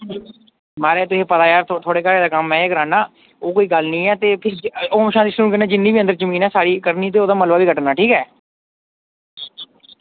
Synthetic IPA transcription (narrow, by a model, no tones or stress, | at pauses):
maːɾeːt̪ʊseːpəd̪aːjaːɾt̪ːt̪ʰoːɽeːkəːɾeːd̪aːkəmːɛ̃ːeːkəɾaːnãː | oːkoːiːɡəlnĩːɛːt̪eːpʰɪɾoːmʃãːd̪iːsuːuːkənɛːd͡ʒɪnːiːbiːənd̪əɾzəmiːnɛːsaːɾiːkəɾniːt̪̬eːoːd̪aːməlbaːbiːkəʈənaːʈʰiːkɛː